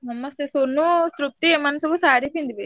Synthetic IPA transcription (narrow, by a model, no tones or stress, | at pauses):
nɐmɐst̪esonːusɾup̚t̪iemanɐsɐbusaːɽip̪ind̪ibe